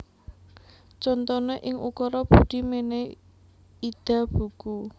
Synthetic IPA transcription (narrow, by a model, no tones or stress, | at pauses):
t͡ʃɔnt̪ɔneʔɪŋukɔɾɔb̥ud̪̥i̤mene | id̪̥a̤b̥uku